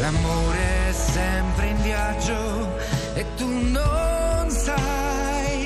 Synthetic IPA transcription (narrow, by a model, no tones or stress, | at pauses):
lamoːɾeɛsːɛmpɾeiɱvjad͡ʒo | et̪ːunːonsa | j